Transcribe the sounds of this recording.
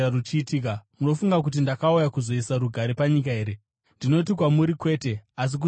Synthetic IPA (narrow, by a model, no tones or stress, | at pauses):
arut͡ʃiːtiːkamuno̞fuŋɡak̬ut̬indakaujakuzo̞isaɾuɡʱaɾepaɲik̬aɦe̞ːɾe̞ | ndino̞it̬ikwamuɾikwe̞ːte̞as̬ik̬u